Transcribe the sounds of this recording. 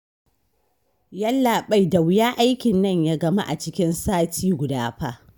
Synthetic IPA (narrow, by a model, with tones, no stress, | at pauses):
jɐ˦lːaː˨ɓa˦˨jda˨wjaː˦ʔa˦jkʲɪ˨nːɐ˦˨ɲjaː˦ɡɐ˦˨ma̰˦ʔa̰˨t͡ʃɪ˦kʲɪ˦nsaː˦tʰiː˦ɡʷʊ˨daː˦ɸaː˦ʔ